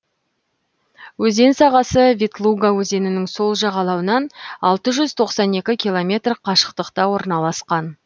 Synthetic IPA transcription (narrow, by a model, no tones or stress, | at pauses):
wɵze̞nsɑʁɑsəvʲit̪lˠuɡawɵze̞nɪnɪŋso̞lˠʒɑʁɑlˠɑwənɑnɑlˠt̪əʒʏzt̪ʰo̞qsɑne̞kʲɪkʲilˠo̞mʲe̞t̪rqʰɑʃə̥qt̪əqt̪ɑwo̞ɾnɑlˠɑsqɑn